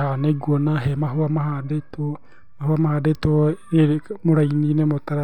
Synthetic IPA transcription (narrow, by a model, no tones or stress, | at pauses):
haneɡwonaɦemaɦoamahadeto | mahuamahaːdetoemoɾaininemotaɾa